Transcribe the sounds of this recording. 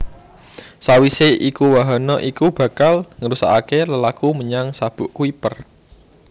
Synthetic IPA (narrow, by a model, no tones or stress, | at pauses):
sawiseʔikuwaɦɔnɔʔikub̥ä̤kalŋəɾusa̰ʔakeləlakuməɲaŋsab̥ʊ̤ʔkuipər